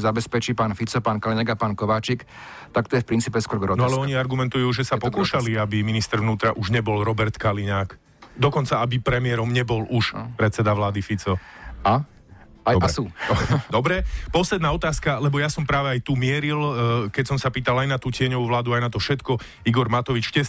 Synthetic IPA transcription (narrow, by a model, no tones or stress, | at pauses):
zabɛspɛt͡ʃipaːnfit͡sɔpaːnkaliɲaɡapaːnkɔʋaːt͡ʃik | t̪ak̚t̪ɔjɛfpɾint͡siːpɛskɔɾɔɡɾɔnɔalɛɔɲiaɾɡumɛnt̪ujuːʒɛsapɔkuːʃaliabiminist̪ɛɾʋnuːt̪ɾaʔuʒɲɛbɔlɾɔbɛɾt̪kaliɲaːk | d̪ɔkɔnt͡saabipɾɛmɪɛɾɔmɲɛbɔluʃpɾɛt̪t͡sɛd̪aʋlaːd̪ifit͡sɔa | aɔbɛsuːd̪ɔbɾɛpɔslɛd̪naːɔt̪aːskalɛbɔjasɔmpɾaːʋɛajt̪umɪɛɾilkɛcsɔmsapiːt̪alajnat̪uːcɪɛɲɔʋuːʋlaːd̪uajnat̪ɔfʃɛt̪kɔ | iɡɔɾmat̪ɔʋit͡ʃcɛs